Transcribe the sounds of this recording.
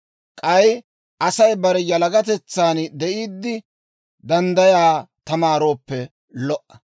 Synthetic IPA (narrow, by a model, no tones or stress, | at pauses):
kʼɐj | ʔɐsɐjbɐɾɛjɐlɐɡɐt̪ɛt͡sːaːnd̪ɛʔiːd̪ːɪ | d̪ɐnd̪ɐjaːt̪ɐmaːɾo̞ːpːɛ | lɔʔɐ